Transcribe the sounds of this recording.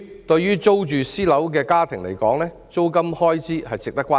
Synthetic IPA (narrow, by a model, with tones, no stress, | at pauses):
t̪ɵ˧ɥjyː˥t͡so˥wt͡ʃyː˨siː˥lɐ˨˥wk̬ɛː˧kaː˥t̪ʰɪ˨˩ŋlḛ˨˩jkɔː˨˥ŋlɛː˥ | t͡so˥wkɐ˥mhɔː˥jt͡siː˥hɐ˨jt͡sɪ˨k̚t̪ɐ˥kːʷaː˥